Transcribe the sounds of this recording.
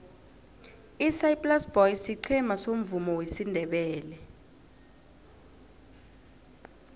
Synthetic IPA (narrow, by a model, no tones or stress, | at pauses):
isaipʼlasb̥ɔjsiǀʰɛmasom̩vumɔwesindʱɛɓɛːlɛ